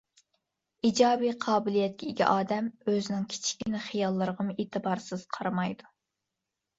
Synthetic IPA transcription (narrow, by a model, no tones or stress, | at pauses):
id͡ʒɑːbijqʰɑːbɪlijɛt̪̚kʲʰɛiɡʲɛ̰ʔɑːd̪ɛmøzɪnɪŋkʲʰi̥t͡ʃʰi̥kʲinɪχijɑlˠːəɾəʁəmʔeːt̪ʰɨbɑɾsɨz̥qʰɑɾɑmɑjd̪u